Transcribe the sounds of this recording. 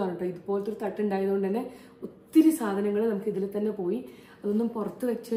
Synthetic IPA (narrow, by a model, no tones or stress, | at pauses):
aːnːuʈːɨːiðupo̞ːlt̪ːoɾut̪ɐʈːuɳɖaːjɐðuɣoɖɨt̪ɐnːe̞ | ut̪ːiɾisaːd̪ʱɐnɐŋːɐɭɨnɐmukːɨiðilet̪ːɐnːe̞po̞ːji | ɐðo̞nːumpurɐt̪ːɨʋet͡ɕːɐ